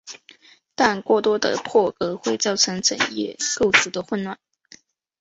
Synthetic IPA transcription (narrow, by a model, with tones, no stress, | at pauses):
t̪a˥˧nkwɔ˥˩t̪wɔ˥d̪ə̰˨pʰwɔ˥˩kɤ˧˥xwe˥˧ɪt͡sɑ˥˩ʊʈ͡ʂʰɤ˧˥ŋʈ͡ʂə̰˨˩ŋjɛ̰˥˧ko˥˩ʊʈ͡ʂʰu˧˥d̪ə˧xwə˥˧nwa˥˩n